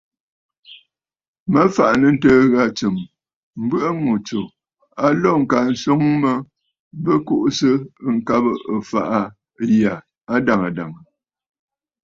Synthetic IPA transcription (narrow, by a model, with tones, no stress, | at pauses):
mə˦fa˨ʔnə˨n̩˦təː˦ɣa˦t͡sə˨m | m̩˦bə˦ʔə˦mo˨t͡so˨ | a˦lɔ˦˨ŋ̩˨ka˨n̩˨˦so˦ŋmə˦ | bə˦ko˦˨ʔsə˦˨ŋ̩˨ka˦bə˦˨ə˨fa̰˨ʔa˦ | ja˨ | a˦da˨ŋa˨da˨ŋə˨